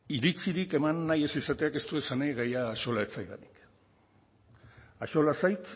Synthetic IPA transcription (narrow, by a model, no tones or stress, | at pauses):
iɾit͡siɾike̞manːaje̞sisat̪e̞ake̞st̪uesanajɣajaːʃo̞laet͡sajða̰nik | aʃo̞lasajt̪